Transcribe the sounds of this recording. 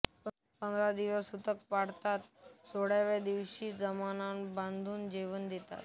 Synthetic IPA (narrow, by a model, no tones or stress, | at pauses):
ə | pə̃nd̪ɾad̪iʋəsʊt̪əkpaɽt̪at̪soɽeʋed̪iʋʃizəmananbãnd̪ʱund͡ʒiʋənd̪et̪a̰t̪